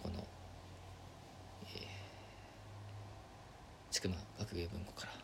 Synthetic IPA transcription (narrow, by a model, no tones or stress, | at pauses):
ko̞̰no̞̰ | eː | t͡ɕɨ̥kɯ̟maɡ̥akɯ̟ɡeːbɯ̟̃ŋko̞̥kaɾa